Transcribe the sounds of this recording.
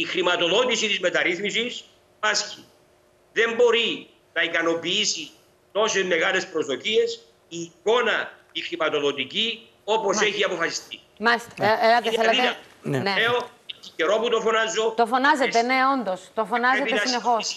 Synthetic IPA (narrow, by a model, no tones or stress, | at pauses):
ixɾimɐt̪o̞ðoɟisit̪izmet̪ɐɾiθmisis | mɐsçi̥ | ðe̞mbo̞ɾi | nɐikɐno̞piisi | t̪o̞sezme̞ɣale̞spɾozðocie̞s | iːko̞nɐ | ixɾimɐt̪o̞ðot̪ici | o̞po̞seçiɐpo̞fɐsi̥st̪i | mɐseɐt̪eθelɐt̪e | neeoiiceɾo̞put̪ofonɐzːot̪ofonɐzetsene̞ond̪ost̪ofonɐzet̪eɐsisnexos